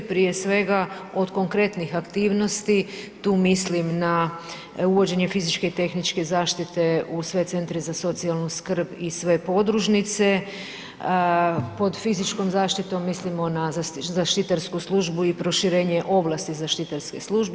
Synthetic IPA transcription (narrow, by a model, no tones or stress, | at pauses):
pɾije̞sʋe̞ɡao̞d̪ko̞ŋkɾe̞t̪nixakt̪iːʋno̞st̪it̪uːmislimna | uʋo̞d͡ʑe̞ɲe̞fizit͡ʃke̞it̪e̞xnit͡ʃke̞zaːʃt̪it̪e̞usʋe̞t̪se̞nt̪ɾizaso̞t̪sialˠnuskr̩bisʋe̞po̞d̪ɾuʒnit̪se̞ | po̞d̪fizit͡ʃko̞mzaːʃt̪it̪o̞mːislimo̞nazzaʃt̪it̪aɾskuslˠuʒbuipɾo̞ʃiɾeːɲe̞ʔo̞blast̪izaʃt̪it̪aɾskesluʒbe